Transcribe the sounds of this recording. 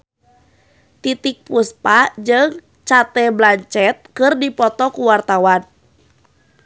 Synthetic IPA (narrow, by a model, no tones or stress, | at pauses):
t̪it̪ik̚puspad͡ʒɨŋ | t͡ʃat̪ɛblaɲt͡ʃɛt̪̚kɨrdipɔt̪ɔkuwart̪awan